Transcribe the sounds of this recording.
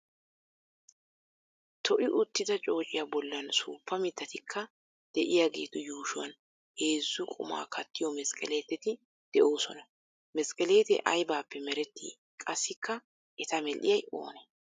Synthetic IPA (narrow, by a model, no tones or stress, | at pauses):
t̪ʰɔʔɪʔʊt̪ːɪd̪ɐt͡ʃʼo̞ːt͡ʃʼɪjabɔlːɐnsṵːpːɐmɪd̪ːɐt̪ɪkʰːɐ | d̪̥ɛʔɪjaːɡeːt̪ʊjuːʃʊwɐn | he̞ːzːʊkʼʊ̰ma̰ːkʰɐt̪ːɪjɔmɛskʼɛ̰le̞ːt̪ɛt̪ɪ | d̪̥ɛʔo̞ːsɔnɐ | mɛskʼɛleːt̪ɛ̰ʔɐjbaːpːɛmɛɾɛt̪ːḭː | kʼɐsːɪkʰːɐ | ʔɛt̪ɐmɛlʔɪ̰jɐjo̰ːnɛ